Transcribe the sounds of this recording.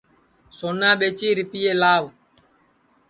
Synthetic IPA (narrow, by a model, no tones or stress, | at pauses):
sɔnːaɓet͡ʃiɾipijelaːw